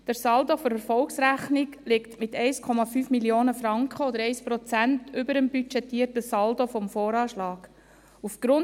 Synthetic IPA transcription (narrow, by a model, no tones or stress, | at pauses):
d̥əɾsɑldoføɾɛɾfɔlksɾæχniklɪktmɪtɛɪskʰɔmɑfyːfmiljoːnəfɾɑŋkχəod̪əɾɛɪspɾɔt͡sæntʏbəɾəmbyt͡ʃɛtːiːəɾtəsɑldofɔmfoːɾɑːʃlɑːɡ̥ | ufɡ̥ɾʊn